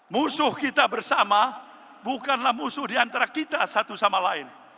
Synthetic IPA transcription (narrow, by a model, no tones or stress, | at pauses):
musʊhkit̪abərsama | bukanlahmusʊhdiant̪aɾakit̪asat̪usamalaɪn